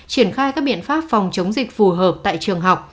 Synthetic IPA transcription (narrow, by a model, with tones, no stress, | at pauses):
t͡ɕi˧˩ənxaː˧jkaː˦˥k̚ɓḭ˧˨ənfaː˦˥p̚fa˨˩wŋ͡mt͡ɕə˨˦wŋ͡mzï˨˩k̟̚fu˨˩ɦəː˨˩p̚t̪a̰ː˧˨jt͡ɕɨ˨˩əŋɦa˨˩wk͡p̚